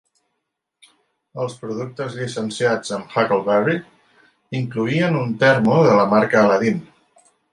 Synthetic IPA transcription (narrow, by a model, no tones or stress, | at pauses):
əlˠspɾuðuk̚t̪əzʎisənsiad͡zəmfakəlˠβɛri | iŋkluiənunt̪ɛɾmuðələmaɾkələðin